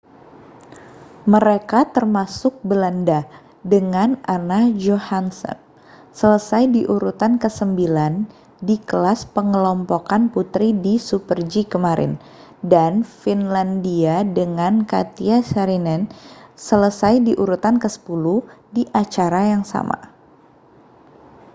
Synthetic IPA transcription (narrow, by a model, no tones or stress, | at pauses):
məɾekat̪ərmasʊk̚bəlanda | dəŋananad͡ʒohansə̰n | sələsajdiʔuɾut̪ankəsəmbilan | dikəlaspəŋəlɔmpokanput̪ɾidisupərd͡ʒikəmaɾɪ̰n | danfinlandiadəŋanka̰t̪iasaɾinɛnsələsajdiʔuɾut̪ankəsə̥puluhdiʔat͡ʃaɾajaŋsa̰ma̰